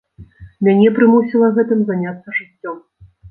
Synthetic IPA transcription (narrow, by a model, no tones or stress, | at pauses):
mʲanʲɛpɾɨmusʲilˠɐɣɛt̪ɨmzanʲat̪sːɐʐɨt͡st͡sʲːɔm